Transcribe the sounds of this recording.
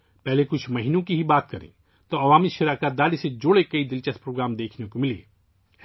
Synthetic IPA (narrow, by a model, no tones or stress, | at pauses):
pɛɦlekʊt͡ʃʰmɐɦiːnõkiɦibaːt̪kɐɾḛ̃ | t̪oɐʋaːmiʃɐɾaːkad̪aːlised͡ʒoːɽekɐid̪ɪlt͡ʃɐspɾoːɡɾaːmd̪eːkʰnekomɪlḛː